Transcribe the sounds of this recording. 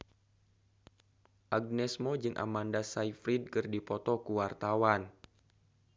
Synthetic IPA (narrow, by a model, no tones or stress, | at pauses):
ʔaɡ̚nɛsmɔd͡ʒɨŋʔa̰mandasaifɾid̚kɨrdipɔt̪ɔkuwart̪awan